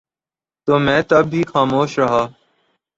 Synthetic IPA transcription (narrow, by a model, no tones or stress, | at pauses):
t̪oːmɛ̃ːt̪əbːiːxaːmoːʃɾəɦaː